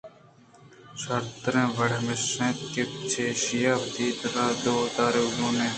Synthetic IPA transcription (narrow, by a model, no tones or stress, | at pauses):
sɐɾt̪ɾẽːʋəɽmɪsẽːt̪keːpt͡ʃʰeːʃijaːft̪iːd̪ɾaːd̪oːt̪aːɾezũːnẽː